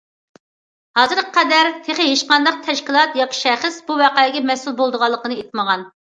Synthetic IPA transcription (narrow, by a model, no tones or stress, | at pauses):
hɑzɨɾəqʰɛd̪æɾt̪ʰeχɪɦeʃqɑnd̪ɑq̚t̪ʰɛʃkʲilˠɑt̪jɑkʲʰi̥ʃɛχəsbuwɑqɑɪɡʲɛmɛsulˠbolˠd̪əʁɑlˠːəqənɨet̪̚məʁɑn